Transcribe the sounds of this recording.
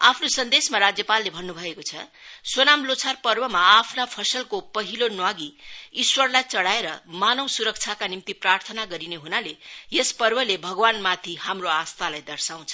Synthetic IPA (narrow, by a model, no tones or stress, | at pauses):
apʰnosʌnd̪esmaɾad͡zjʌpalːebʱʌnːubʱʌekot͡sʰʌswonamlot͡sʰarpʌrbʌmaːpʰnapʰʌsʌlkopʌɦilonwaɡiiswʌrlajt͡sʌɽaeɾʌmanʌwsuɾʌk̚t͡sʰjakanimt̪iprart̪ʰʌnaɡʌɾineɦunalejespʌrbʌlebʱʌɡwanmat̪ʰihamroast̪alajd̪ʌrsaw̃t͡sʰʌ